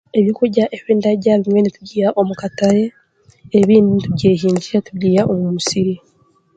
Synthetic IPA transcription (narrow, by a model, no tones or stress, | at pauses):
e̞βjokuɟaʔeβeːndaɟaβimwe̞nitubɟiːɾaʔomukatajeː | βiːndinitubɟeːɦiːɲɟiɾatubɟiːɾaʔomuumusiɾi